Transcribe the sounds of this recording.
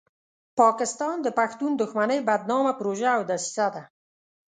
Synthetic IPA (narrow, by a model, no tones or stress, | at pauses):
pɑkɪst̪ɑnd̪əpaxt̪und̪ʊxmanəjbad̪̚nɑmapɾoʒaːwd̪asi̥sad̪a